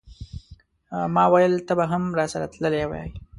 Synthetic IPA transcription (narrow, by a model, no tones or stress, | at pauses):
mɑwajəlt̪əbaɦamɾɑsaɾa̰t̪ləlew̰jɑ̰j